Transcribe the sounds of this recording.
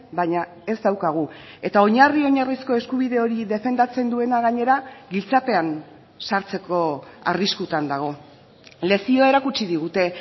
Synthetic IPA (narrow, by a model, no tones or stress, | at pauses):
baɲa | e̞zd̪awkaɣ̞ue̞t̪ao̞ɲario̞ɲarisko̞e̞skuβ̞iðe̞o̞ɾiðe̞fe̞nd̪at͡se̞nd̪ue̞naɣaɲe̞ɾaɣilt͡sape̞an | saɾt͡se̞ko̞a̰riskut̪and̪aɣ̞o̞ | le̞sio̞e̞ɾakut͡ʃiðiɣ̞ut̪e̞